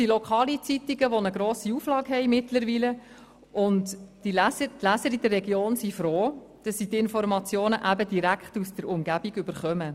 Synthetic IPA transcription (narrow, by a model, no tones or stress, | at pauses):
dilɔkʰɑːlit͡sitiɡəʋonəɡɾoːsiuflɑːɡɦɛjmɪtləɾʋiːlə | ʔʊntd̥ilæsətlæsəɾid̥ərːɛɡjoːnsifɾoː | d̥ɑsːitɪnfɔɾmɑt͡sjoːnəʔæbədiɾækχtusd̥əɾʊmɡæb̥iɡʏb̥əɾχœmə